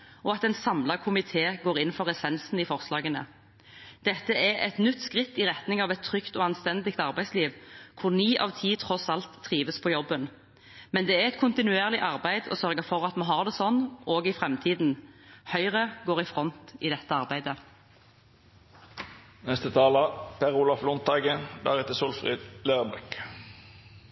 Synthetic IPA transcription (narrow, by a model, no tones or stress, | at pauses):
ɔɑt̪ɛnsɑmlɑkʰʊmɪt̪ʰeːɡoːʁɪn̩fɔʁɛsɛnsn̩iːfɔʁslɑːɡənə̰ | d̪̥ɛt̪ːəɛɛ̰t̪nʏt̪ːskʁɪt̪ːɪʁɛt̪nɪŋɑːʋɛt̪ʰːʁʏkt̪oːɑnst̪ɛnd̪ɪkt̪ɑʁbæɪsliːʋkʰʊʁniːʔɑ̰ːʋt̪ʰiːt̪ʰʁɔsɑlt̪ʰːʁiːʋəspʰɔjɔbːən | mɛnd̪ɛːæɛt̪̚kʰʊnt̪ɪnʉeːʁlɪʔɑʁbæɪd̪ɔ̰sœʁɡəfɔʁɑt̪mɑɦɑːʁd̪ɛsɔnːoːɡɪfʁɛmt̪ʰiːd̪n̩hœʏʁəɡoːʁɪfʁɔnt̪id̪ɛt̪ːəɑʁbæɪd̪ə | nɛst̪ət̪ʰɑːlɑpʰɛʁulɑflʊnt̪ɑːɡəd̪æ̰ːʁɛt̪əsuːlfʁḭd̪løːʁbɛk